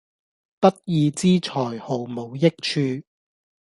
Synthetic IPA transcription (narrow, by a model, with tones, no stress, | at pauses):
t̪ɐ˥t̚jiː˧t͡siː˥t͡ʃʰɔː˨˩jho˨˩wmo˨˧wjɪ˥k̚t͡ʃʰyː˧